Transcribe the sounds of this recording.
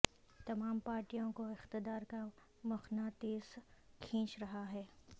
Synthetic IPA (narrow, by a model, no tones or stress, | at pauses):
t̪ɐmaːmpaːɾʈijõkoɪxt̪ɪd̪aːɾka | mʊxnat̪eːzkʰĩːt͡ʃɾɐɦaɦɛː